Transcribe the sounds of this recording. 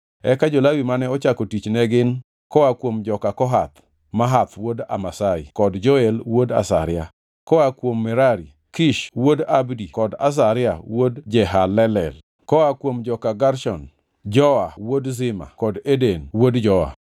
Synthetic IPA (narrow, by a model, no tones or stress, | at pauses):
ɛkad͡ʒolawimanɛɔt͡ʃakɔtit͡ʃnɛɡɪn | kɔakwomd͡ʒɔkakɔɦat̪ | maɦat̪woda̰masaɪ̰kɔdd͡ʒoelwoda̰sa̰ɾɪa | kɔwakwomːɛɾaɾi | kiʃwodabdikɔda̰s̬aɾɪawodd͡ʒɛɦalɛlɛl | kɔwakwomd͡ʒɔkaɡaɾʃɔ̰n | d͡ʒɔawodzɪma̰kɔdedenwodd͡ʒɔa̰